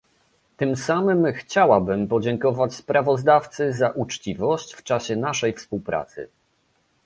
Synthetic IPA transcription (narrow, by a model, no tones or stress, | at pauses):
t̪ɘmsamɘmxt͡ɕawabɘmpɔd͡ʑɛŋkɔvat͡ɕspɾavɔzd̪aft̪sɘzaʔut͡ʂt͡ɕivɔɕt͡ɕft͡ʂaɕɛnaʂɛjfspuwpɾʔa̰t̪sɘ̰